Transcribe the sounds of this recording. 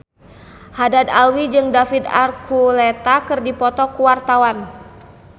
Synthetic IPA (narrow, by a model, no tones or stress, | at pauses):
hadad̪alwid͡ʒɨŋdafid̪a̰rkulet̪akɨrdipɔt̪ɔkuwart̪awan